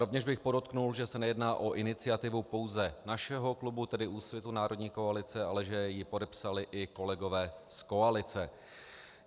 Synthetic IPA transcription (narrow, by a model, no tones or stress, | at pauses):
ɾo̞vɲɛʒbɪxpo̞do̞t̪knulʒɛsɛnɛjɛdnaːʔo̞ʔɪnɪt͡sɪat̪ɪvupo̞wzɛnaʃɛɦo̞klubut̪ɛdɪʔuːsvjɛt̪unaːɾo̞dɲiːko̞alɪt͡sɛalɛʒɛjɪpo̞dɛpsalɪʔɪko̞lɛɡo̞vɛːsko̞alɪt͡sɛ